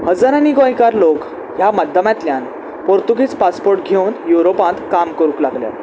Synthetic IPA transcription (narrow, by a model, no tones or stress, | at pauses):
həd͡zaɾãniɡoajkaɾlok | jamad̪ʱːəmãt̪ljãn | poɾt̪uɡiːt͡spaspoɾʈɡʱewnjuɾopãt̪kamkəɾũːklaɡlja̰